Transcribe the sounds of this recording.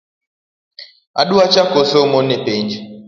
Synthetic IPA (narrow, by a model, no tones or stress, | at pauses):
a̰ɗuat͡ʃakosomonepend͡ʒi